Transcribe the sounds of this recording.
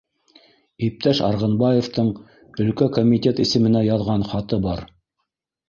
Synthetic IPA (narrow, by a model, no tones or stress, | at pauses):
ip̚t̪æʃɑ̰ɾʁɤ̆nbɑjeft̪ɤɴ | ɵ̆lkækomʲit̪ʲet̪ɘ̆sɘ̆mɘ̆næjɑðʁɑnχɑt̪ɤbɑɾ